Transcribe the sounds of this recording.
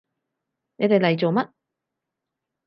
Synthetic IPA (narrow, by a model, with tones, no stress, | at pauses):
ne˨˧t̪e˨lɐ˨jt͡so˨wmɐ˦˥t̚